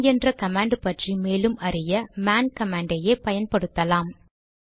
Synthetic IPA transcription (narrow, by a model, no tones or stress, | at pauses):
ɡɛndrɐkɐmaːɳɖɯpɐʈrimeːlɯmɐrɪjɐmaːnkɐmaːɳɖɐjeːpɐjɐnpɐɽɯt̪ːɐlaːm